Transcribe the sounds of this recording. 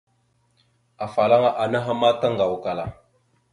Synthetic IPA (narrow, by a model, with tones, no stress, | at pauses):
a˨fa˨la˦ŋa˦ʔa˨na˦ɦa˦ma˦ta˦ŋɡa˨wka˨la˨